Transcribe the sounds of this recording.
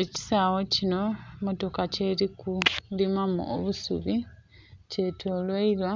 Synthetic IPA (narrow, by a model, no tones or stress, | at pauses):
eci̥saːwo̞cino̞moto̞kace̞ɾikudimamṵʔo̰βusṵβi | ce̞tʰo̞ːlwaiɾwa